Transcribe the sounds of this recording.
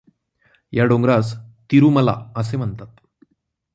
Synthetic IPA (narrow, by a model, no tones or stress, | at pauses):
jaɖoŋɡɾast̪iɾuːməla̰əsem̤əɳt̪at̪